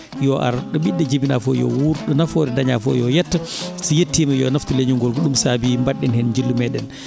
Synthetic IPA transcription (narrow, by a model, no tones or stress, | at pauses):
jɔʔa̰ɾɗɔɓiɗːɛd͡ʒibinafɔjɔ̰wuɾɗɔnafɔːɾɛdaɲafɔ̰jɔjɛtːasijetːiːmajɔnaftuleɲuŋɡɔlkɔɗumsaːbimbaɗːɛnhɛnɲd͡ʒilːumɛɗɛn